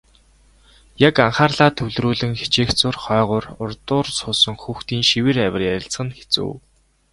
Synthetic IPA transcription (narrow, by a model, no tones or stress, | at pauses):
jakaɴχaːrɮaːt̪ʰɵwɮɾuːɮɘ̆ŋxe̥t͡ɕeːxt͡sʊrχœːʁʊːrʊrt̪ʊːrsʊːsə̆ŋxuːxt̪iːŋʃiwɘ̆ræwʲɪ̆rjæɾʲɪ̆ɬt͡sχə̆nxe̥t͡sṵːw